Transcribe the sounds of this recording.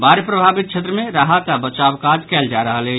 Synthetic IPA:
baɾepɾəbʱabit̪̚t͡ʃʰet̪̬ɾəmeɾaɦat̪abət͡ʃabkad͡ʒkɛld͡ʒaɾəɦəlɛ

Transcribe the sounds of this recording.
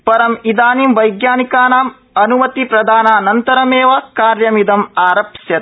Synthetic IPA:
pɐɾɐmid̪aːniːmʋɐjɡjaːnikaːnaːm | ɐnumɐt̪ipɾɐd̪ʱaːnaːnɐnt̪ɐɾɐmeːʋɐkaːɾjɐmid̪ɐmaːɾɐpsjɐt̪

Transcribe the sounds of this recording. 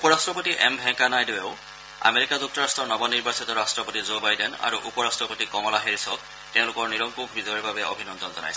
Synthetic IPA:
upɔɹastɹɔpotiʔɛ̰mbʱɛ̃kanajdoweʊ | a̰meɹikazuk̚tɔɹastʰɔɹnɔbɔniɹbasitɔɹastɹɔpotizobajdena̰ɹuʔupɔɹastɹɔpotikɔmɔlaɦeɹisɔk | tɛ̃ʊ̃lʊkɔɹniɹɔŋkukʰbʱizɔjɔɹbʱabɛo̰bʱinɔnd̪ɔnzɔna̰jsɛ

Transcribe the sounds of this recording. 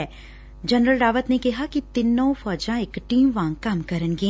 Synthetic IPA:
ɛː | d͡ʒɐnɾəlɖaːʋət̪nekɛɦakit̪ɪnːow̃fɔːd͡ʒãekʈiːmʋãːŋkamkɐɾənɡĩ

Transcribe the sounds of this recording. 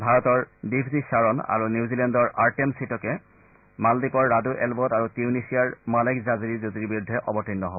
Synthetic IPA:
bʱaɹɔtɔɹdipʰzisaɹɔna̰ɹuniuzilɛndɔɹʔaɹtemsitɔkɛ | maldikɔɹːaduʔɛlbɔtaɹutiunisiaɹmalakzaziɹizotiɾibiɹudʱːɛʔɔbɔtinːɔɦɔbɔ

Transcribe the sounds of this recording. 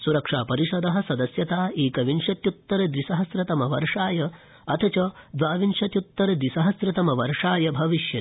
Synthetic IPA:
suɾɐkʂaːpɐɾiʃɐd̪ɐɦɐ̆sɐd̪ɐsjɐt̪aːeːkɐʋinʂɐt̪jut̪ːɐɾɐd̪ʋisɐɦɐsɾɐt̪ɐmɐʋɐɾʂaːjɐ | ɐt̪ʰɐt͡ʃɐd̪ʋaːʋinʂɐt̪jut̪ːɐɾɐd̪ɾisɐɦɐsɾɐt̪ɐmɐʋɐɾʂaːjɐbʱɐʋiʃjɐt̪

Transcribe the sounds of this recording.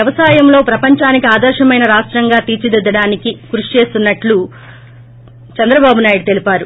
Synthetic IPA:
jɐʋɐsaːjɐmlo̞ːpɾɐpɐɲt͡ʃaːnikiaːd̪ɐɾʃɐmɐjnɐɾaːʂʈɾɐŋɡaːt̪iːt͡ʃid̪ɛd̪ːɐɽaːnikiɡɾuʂit͡ʃe̞ːst̪unːɐʈlu | t͡ʃɐnd̪ɾɐbaːbunaːjiɽut̪e̞lipaːɾu

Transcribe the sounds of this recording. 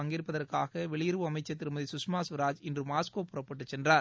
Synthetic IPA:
ɐŋɡɪɾɯpːɐðɐɾkaːɣɐʋɛɭɪjɪɾɯʋɯɐmɐɪt͡ʃːɐt̪ːɪɾɯmɐðisʊsmaːsʋɐɾaːd͡ʒɪndrɯmaːskoːpːɯɾɐpːɐʈːɯt͡ʃːsɛndraː

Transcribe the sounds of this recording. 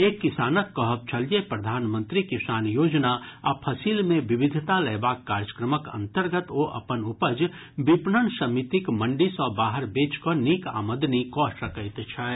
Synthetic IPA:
eːkːɪsaːnət̪kɔɦəp̚t͡ʃʰəljepɾəd̪ʱaːnmə̃nt̪ɾikɪsaːnjoːd͡ʒnaapʰəsilmẽʋɪbɪd̪ʱt̪alɛːbaːkːaːɾjəkɾəməkə̰̃nt̪əɾɡət̪oʔɐ̰pənʊpəd͡ʒ | bipnənsəmit̪ikmə̃ɳɖisɔbaːɦəɾbeːt͡ʃkoniːka̰ːməd̪nikɔːsəkəɪt̪t͡ʃʰɛ

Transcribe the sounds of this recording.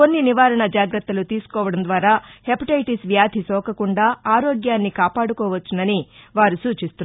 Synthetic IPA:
ko̞nːiniʋaːɾɐɳɐd͡ʒaːɡɾɐt̪ːɐlut̪iːsu̥kɔːʋɐɽɐnd̪ʋaːɾaːhepiʈɐjʈisʋjaːd̪ʱisɔːkɐkuɳɖaːaːɾoɔːɡjaːnːikaːpaːɽukɔːʋɐt͡ʃːunɐniʋaːɾusuːt͡ʃist̪un

